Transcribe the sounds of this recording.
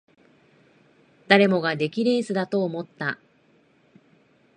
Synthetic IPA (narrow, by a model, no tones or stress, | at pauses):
d̪̥aɾe̞mo̞ɡad̪e̞kʲiɾe̞ːsɨd̪at̪o̞ːmo̞t̪ːa